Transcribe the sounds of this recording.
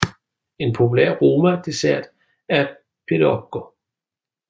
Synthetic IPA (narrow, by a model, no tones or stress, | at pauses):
e̝npʰo̝pʰulæ̰ɐ̰ʁo̝ːmæd̥e̝sæɐ̰d̥ | æɐ | pʰedɒb̥̚ɡ̥o